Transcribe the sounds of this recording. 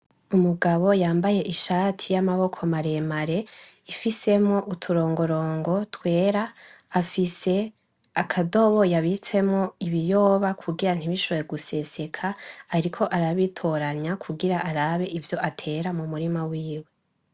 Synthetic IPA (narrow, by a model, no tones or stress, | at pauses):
umuɡaβo̞jaːmbaje̞ʔiʃaːtʰijamaβo̞kʰo̞maɾe̞maɾe̞ | ifise̞mŋo̞ʔutʰuɾo̞ːŋɡo̞ɾo̞ːŋɡo̞twe̞ːɾaː | fise̞ | akʰado̞βo̞jaβit͡se̞mŋo̞iβijo̞ːβakʰuɡiɾan̥iβiʃoβojeɡuse̞se̞kʰaːɾikʰo̞ʔaɾaβitʰo̞ɾaɲakʰuɡiɾaʔaɾaβe̞ʔivjo̞ʔatʰe̞ɾamumuɾimawiːwe̞